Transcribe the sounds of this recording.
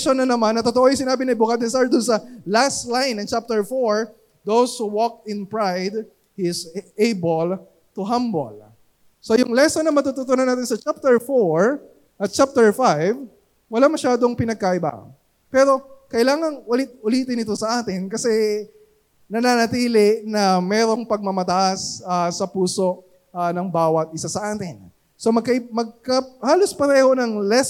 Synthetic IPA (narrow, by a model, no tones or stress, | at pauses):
ʃonɐnɐmanːɐt̪ot̪oʔojʊsɪnaːbɪnɐɪbʊkaːd̪onsaɹd̪ʊnsɐlast̪lajnːɐŋt͡ʃap̚t̪ɛɹfoɹ | d̪owshuwɔk̚ɪ̃npɹajd̪̚ | hisejbol | t̪ʊɦambo̰l | so̞jʊŋlɛsɐnɐmɐt̪ut̪ʊt̪onɐnaːt̪ɪnsɐt͡ʃap̚t̪ɛɹfoɹ | ʔɐt̪̚t͡ʃap̚t̪ɛɹfajv | wɐlamɐʃaːd̪oŋpɪnɐɡ̚kɐʔɪba̰ | pɛːɾo̞kɐʔɪlaːŋɐŋʔʊlɪt̪̚ʊliːt̪ɪnɪt̪o̞sɐʔaːt̪ɪnkɐsɛ | nɐnanɐt̪iːlɪnɐmɛːɾo̞ŋpɐɡ̚mɐmɐt̪ɐʔasasɐpuːso̞ʔ | anɐŋbaːwɐt̪̚ʔɪsasɐʔaːt̪ɪn | so̞mɐɡ̚kɐmɐɡ̚kɐhaːlo̞spɐɾɛːho̞nɐŋlɛs